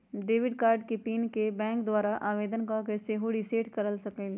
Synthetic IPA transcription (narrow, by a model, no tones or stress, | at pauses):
ɖeːʋɪɖkaːɾɖkepiːnkebɛ̃ːŋkd̪waːɾaʔaːʋeːd̪ənkakeseɦoɽiseːʈkɐɾəlsɐkẽɡeː